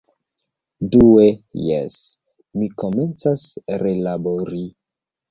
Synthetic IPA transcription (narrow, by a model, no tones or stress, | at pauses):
duejḛs | miko̞me̞nt͡sasɾelaboɾi